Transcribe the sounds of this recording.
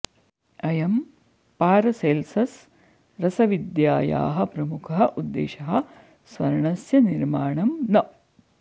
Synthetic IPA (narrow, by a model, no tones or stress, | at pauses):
ɐjɐm | paːɾɐselsɐs | ɾɐsɐʋid̪jaːja̰ːɦɐ̆pɾɐmukʰɐɦɐʔud̪ːḛːʃɐɦɐ̆ | sʋɐɾɐɳɐsjɐniɾmaːɳɐmnɐ